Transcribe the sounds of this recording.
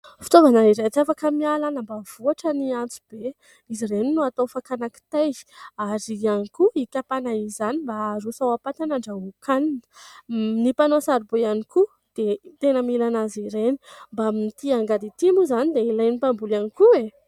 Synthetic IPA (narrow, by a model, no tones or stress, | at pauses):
fi̥t̪ovanaiɾat͡safakəmialanəmbav̥uaʈ͡ʂəniant͡su̥b̥e | izireninuat̪ofakanaki̥t̪ajaɾianikuikʲapanaizanimbaɾosawapat̪anaɳɖ͡ʐaukʰanin | nipanosaɾibojaniku | d̪̥et̪enəmilanaziɾeni̥mbamit̪iaŋɡad̪it̪imuzanid̪eilajnipambulanikue